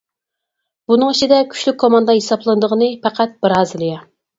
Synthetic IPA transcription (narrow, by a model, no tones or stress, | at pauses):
bunɨŋit͡ʃʰid̪ɛkʲʰy̥ʃlykʲkʰːomɑnd̪ɑɦesɑplˠɨnɨd̪əʁənɨpæqʰæt̪̚b̥ɪɾɑːzɨlˠɨjɑ